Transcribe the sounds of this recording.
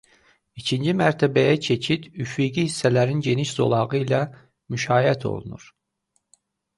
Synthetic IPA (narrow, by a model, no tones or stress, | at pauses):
icʰind͡ʒimæɾt̪ʰæbæjæt͡ʃʰe̞cʰit̪yfiɡihisːælæɾinɟe̞niʃzo̞̰lˠɑɣɯilæ | myʃɑːjæt̪ʰo̰lˠunṵɾ̥